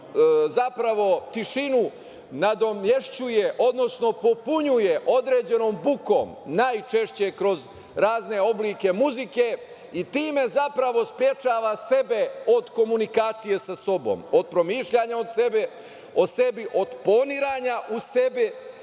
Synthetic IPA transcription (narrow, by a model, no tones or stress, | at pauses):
zapɾaʋo̞t̪iʃinu | nad̪o̞mje̞ʃt͡ɕujeʔo̞d̪no̞sno̞po̞puɲujeʔo̞d̪ɾeːd͡ʑe̞no̞ːmbuko̰mnaːjt͡ʃe̞ʃt͡ɕe̞kɾo̞z | ɾaːzne̞o̞bliːke̞muzike̞ | it̪iːme̞zapɾaʋo̞spɾje̞t͡ʃaːʋase̞be̞o̞d̪ko̞munikaːt̪sije̞saso̞bo̰mo̞d̪̥̚pɾo̞miːʃʎaɲaod̪sebe | ose̞biʔo̞d̪po̞niɾaɲaʔusebi